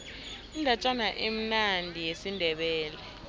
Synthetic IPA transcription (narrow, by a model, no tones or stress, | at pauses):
ind͡ɮʱat͡ʃʼanaʔem̩nandʱijesindʱɛɓɛːlɛ